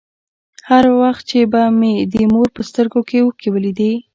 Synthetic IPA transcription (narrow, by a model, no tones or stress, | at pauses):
haɾwaxt̪̚t͡ʃebamed̪əmoɾpəst̪əɾɡokewəkiwəlid̪i